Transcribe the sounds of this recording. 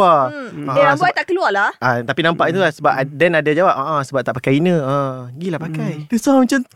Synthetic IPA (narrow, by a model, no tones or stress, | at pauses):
aalabuajt̪aʔkəlualaʔt̪apinãmpaʔit̪̬ulahsəbap̚adɛnadad͡ʒawap̚ʔaʔasəbap̚t̪aʔpakajinə̃əɡilahpakajdəsamat͡ʃam